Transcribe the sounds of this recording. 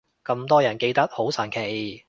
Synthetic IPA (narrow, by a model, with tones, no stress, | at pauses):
kɐ˧mt̪ɔː˥jɐ˨˩nke˧jt̪ɐ˥t̚ho˨˥wsɐ˨˩nkʰe˨˩j